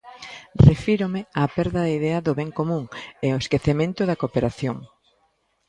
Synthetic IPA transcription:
refiɾʊmɪapɛɾðɐðaiðɛɐðʊβɛŋkomũŋeoeskeθemẽnt̪ʊðɐkopeɾaθjoŋ

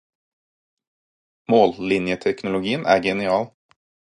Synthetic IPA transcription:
moːllɪnjət̪ʰɛknʊlʊɡiːənʔæ̰ːɡɛnɪɑːl

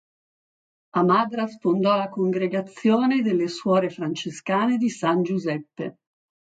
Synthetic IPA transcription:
amaːd̪ɾasfond̪ɔlakoŋɡɾeɡat̪sːjoːned̪elːeswɔːɾefɾant͡ʃeskaːned̪isand͡ʒuzɛpːe

